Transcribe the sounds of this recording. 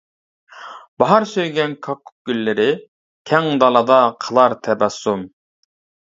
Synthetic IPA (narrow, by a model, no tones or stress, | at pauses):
b̥ɑɦɑɾsøjɡʲɛnkʰɑkʰːʊ̥k̚ɡ̥ʲylːɪɾɪ | kʲʰɛŋd̪ɑlˠɑd̪ɑqʰəlˠɑɾt̪ʰɛbɛsːum